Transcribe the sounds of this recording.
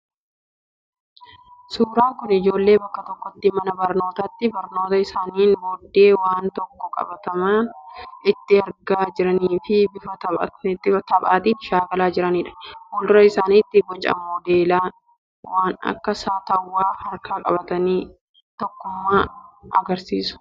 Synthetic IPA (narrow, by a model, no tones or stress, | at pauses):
suːɾaːkʊnɪd͡ʒo̞ːlːe̞ːbɐkːɐt̪ɔkːɔt̪ːɪmɐnɐbɐɾno̞ːt̪ɐt̪ːɪbɐɾno̞ːt̪ɐɪsaːniːnboːd̪ːe̞ːwaːnt̪ɔkːɔkʼɐ̰bɐt̪ɐmaːnɪt̪ːɪɐɾɡaːd͡ʒɪɾɐniːfɪbɪfɐt̪ɐɐ̰ɪt̪ːɪfɐt̪ɐbʼaːt̪iːnʃaːɡɐlaːd͡ʒɪɾɐniːᶑɐ̥nwɔld̪ʊɾɐɪsaːniːt̪ːɪɡɔt͡ʃʼːɐ̰moːd̪eːlaː | waːnɐ̰kːɐsaːt̪ɐwːaːhɐɾkaːkʼɐbɐt̪ɐniː | t̪ɔkːʊmːaːɐɡɐɾsiːsʊ̥